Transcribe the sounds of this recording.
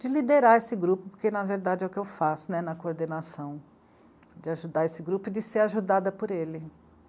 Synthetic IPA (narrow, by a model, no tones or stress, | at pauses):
d͡ʒɪlid̪eɾaesɪɡɾupʊpoɾkenɐveɾd̪ad͡ʒɪɛʊkɪewfasʊnɛnɐkooɾd̪enasɐ̃w̃ | d͡ʒɪaʒud̪aesɪɡɾupʊɪd͡ʒɪseɾaʒud̪ad̪ɐpoɾelɪ